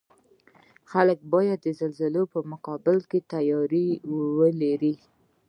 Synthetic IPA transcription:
xalək̚bɑjad̪ːəzalzalopəmʊqɑbɪlket̪ajɑɾiwwəlaɾi

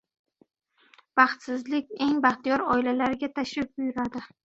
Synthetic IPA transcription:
b̥ɑχt̪sɪzlɪkʲe̞ŋbɑχt̪ijɒɾɒɪlalaɾɪɡʲat̪ʰaʃɪp̚bʊjʊɾad̪ɪ

